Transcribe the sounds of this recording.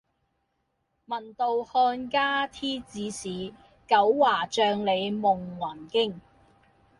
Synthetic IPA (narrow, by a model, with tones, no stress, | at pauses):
mɐ˨˩nt̪o˨whɔː˧nkaː˥t̪ʰiː˥t͡siː˨˥siː˨˥ | kɐ˨˥wːaː˨˩t͡ʃœː˧ŋle˨˧jmʊ˨ŋwaː˨˩nkɪ˥ŋ